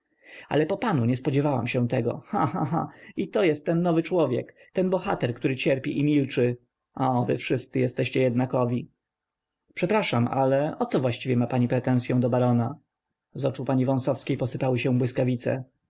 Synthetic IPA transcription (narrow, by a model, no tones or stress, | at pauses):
a̰lɛpɔpanuɲɛspɔd͡ʑɛvawa̰mɕɛ̃t̪ɛɡɔ̰xã̰xa̰xã̰it̪ɔjɛst̪ːɛnːɔvɘt͡ʂwɔvʲjɛ̰k | t̪ɛnbɔxat̪ɛɾkt̪uɾɘt͡ɕɛɾpʲiʔimʲilt͡ʂɘ | ʔɔvɘ̰fʂɘst̪sɘjɛst̪ɛɕt͡ɕɛjɛd̪nakɔvʲi | pʂɛpɾaʂama̰lɛɔt̪sɔvwaɕt͡ɕivʲjɛmapaɲipɾɛt̪ɛ̃w̃sʲjɔ̃w̃d̪ɔbaɾɔna | zɔt͡ʂupaɲivɔ̃w̃sɔfskʲejpɔsɘpawɘɕɛ̃bwɘskavʲit̪sɛ̰